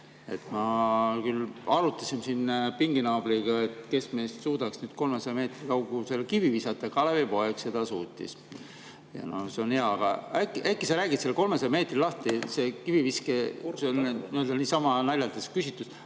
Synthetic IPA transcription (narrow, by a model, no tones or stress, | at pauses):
e̞̰t̪ːˑmɑkylɑɾut̪ːˑɑsimsinpiŋɡ̥inɑːb̥liɡ̥ɑe̞t̪ke̞sme̞ːst̪suːd̪ɑksnyːd̪̥̚ko̞lmesɑjme̞ːt̪rikɑwɡ̥use̞lkivivisɑt̪ːˑɑkɑlevepo̞eɡse̞d̪̥ɑsuːt̪ʲːḭs | jɑ̰no̞̰se̞o̞nheɑɑɡ̥ɑækːiʔækːˑiseɾæːɡit̪selko̞lmesɑjme̞ːt̪rilɑht̪ise̞kiviviskeseonniø̞ld̪̥ɑniːsɑmɑnælʲːɑlt̪eskysit̪ːˑus